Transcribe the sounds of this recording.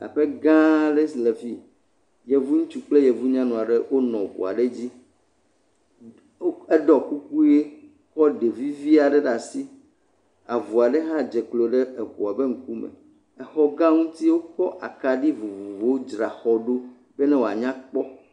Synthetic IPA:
a̰˨ɸe˦ɡã˦ɖe˦sle˨vi˦ | jɛ˨vu˦ŋũ˦t͡ʃu˦k͡ple˦jɛ˨vu˦ɲã˦nũ˨a˨ɖe˦wʔo˦nɔ̃˨vṵ˨a̰˨ɖe˦d͡ʑi˦ | e˦ɖɔ˨ku˦ku˦je˦ | kɔ˦ɖe˨vi˦vi˦a˨ɖe˦ɖa˨si˦ | a˨vu˨a˨ɖe˦ɦã˦d͡ʒɛ˨k͡plo˨ɖe˦e˨ɸu˨a˨be˦ŋ̩˦ku˦mɛ̰̃˨ | ɛ˨xɔ˦ɡã˦ŋũ˦t̪i˦wo˦kɔ˦ʔa˨ka˨ɖi˦vu˨vu˨vo˨wo˦d͡ʒɾa̰˨xɔ˦ɖo˦ | bɛ˦nɛ̃˦wo˨a̰˨ɲã˦k͡pɔ˦

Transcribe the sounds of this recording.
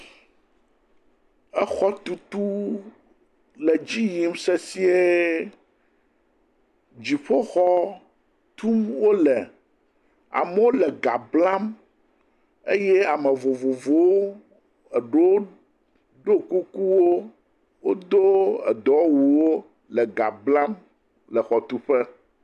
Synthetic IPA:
ɛ˦xɔ˦t̪u˦t̪u˦ | lɛ˨d͡ʑi˦ji˨m˦sɛ˦si˦e˦ | d͡ʑi˨ɸo˦xɔ˦ | t̪u˦wo˦lɛ˨ | a̰˨mɛ˦wo˦lɛ˨ɡa̰˨bla˦m | ḛ˦jɛ˦a˨mɛ˨vo˨vo˨vo˦ | ɛ˨ɖo˦ | ɖo˦ku˦ku˦wo˦ | wo̰˦d̪o˦ɛ̰˨d̪ɔ˦wu˨wo˦ | lɛ˨ɡa˨bla˦m | lɛ˨xɔ˨t̪u˦ɸɛ˦

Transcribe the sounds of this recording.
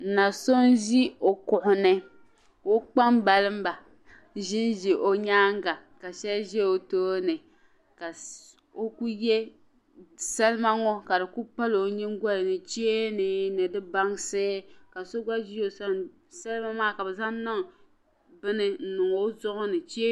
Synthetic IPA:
na˨so˦nʒi˦o˨kʊ˨ʔʊ˨nɨ˦ | o˦k͡pa˦mba˨lɨ˦m̩˦ba˨ | ʒɪ˦nʒi˨ʔo˨ɲaː˦ŋ˦ɡa˨ | ka˨ʃɛ˦lʒɛ˦o˨toː˦nɨ˨ | ka˨ | o˦ku˦jɛ˦ | sa˦lɨ˦ma˦ŋɔ˦ka˨dɨ˨ku˦pa˦lo˨ɲi˦ŋ˦ɡʷa˦lɨ˨nɨ˨t͡ʃe˦e˦nɨ˨nɨ˨dɨ˦ba˦ŋseː˦ka˨so˦ɡ͡ba˦ʒi˦o˦sa˦ | sa˦lɨ˦ma˦maː˦ka˨bɛ˨za˦n˦na˦ŋ˨ | bɨ˦nɨ˦n̩˨nʊ˨ŋo˦zʊ˦ʔʊ˦nɨ˨t͡ʃe˦

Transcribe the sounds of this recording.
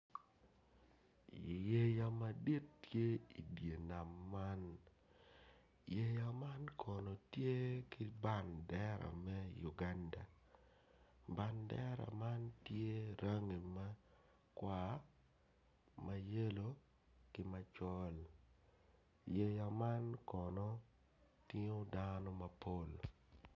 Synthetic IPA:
je˦ja˨ma˨di˦tːje˦i˨dje˨na˨mːa˦n | je˦ja˨ma˦nkʰɔ˨nɔ˨tje˦kɪ˦ba˦ndɛ˦ɾa̰˨mɛ˦ju˨ɡa˦nda˨ | ba˨ndɛ˦ɾa̰˨ma˦ntje˦ɾa˦ŋi˨ma˦ | kwa˦ | ma˨je˦lo˨ | kɪ˨ma˦t͡ʃɔ˦l | je˨ja˨ma˦nkɔ˨nɔ˦ | tɪ˦ŋo˦danɔ˦mɐ˨pʰo˦˨l

